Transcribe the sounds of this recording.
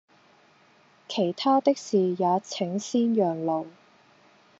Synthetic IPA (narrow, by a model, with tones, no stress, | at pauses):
kʰe˨˩jt̪ʰaː˥t̪ɪ˥k̚siː˨jaː˨˧t͡sʰɪ˨˥ŋsiː˥njœː˨˩ŋlo˨w